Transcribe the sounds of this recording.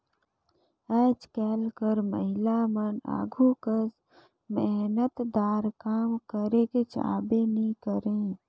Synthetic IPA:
ɛːd͡ʒkɛlkəɾməɦɪlaməna̰ːɡʱukəs | meɦnət̪d̪aːɾkaːmkəɾeket͡ʃa̰ːbenikəɾẽ

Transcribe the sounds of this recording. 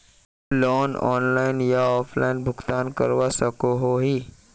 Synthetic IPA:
lɔːnɔ̰ːnlaːɪnjaɔːpʰlaːɪnbʱʊkt̪aːnkə̰ɾʋasəkoɦoɦiː

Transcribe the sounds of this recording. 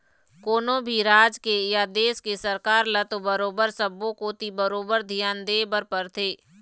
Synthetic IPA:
koːnõbʱiɾaːd͡ʒkejad̪eːskesəɾkaːɾlət̪obəɾoːbəɾsəbõkoːt̪ibəɾoːbəɾd̪ʱijaːnd̪eːbəɾpəɾt̪ʰeː

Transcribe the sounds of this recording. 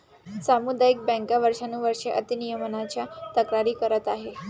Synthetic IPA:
samud̪ajik̚bɛ̃ŋkaʋəɾʂanuːʋəɾʂeʔət̪inijəmənat͡ɕjat̪əkɾaɾiːkəɾət̪aɦe

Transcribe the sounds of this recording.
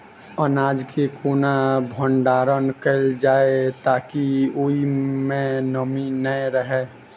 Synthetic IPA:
ənaːd͡ʒkʰekʰoːnabʱə̃ɳɖaːɾənkəld͡ʒaːet̪aːkioimẽnəminəɾəɦe

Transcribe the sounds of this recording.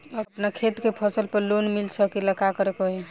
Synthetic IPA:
əpnakʰet̪kepʰəsəlpəɾlonmilsʰəkiləkakəɾekoɦe

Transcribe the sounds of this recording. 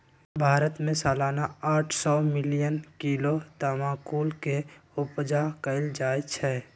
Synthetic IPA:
bʱaːɾət̪mẽsaːlaːnaaːʈʰsɔːmɪlijənkiːlot̪amãːkuːlkeʊpd͡ʒakəɪld͡ʒaːjt͡ʃʰɛː

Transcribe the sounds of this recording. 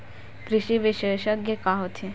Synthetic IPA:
kɾɪʃiʋɪʃeːʃəkjekaɦot̪ʰi

